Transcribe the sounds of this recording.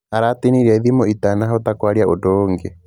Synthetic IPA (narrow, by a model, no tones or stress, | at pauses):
aɾatiniɾiaiðimoitanaɦot̪akwaɾiaʔodoŋɡe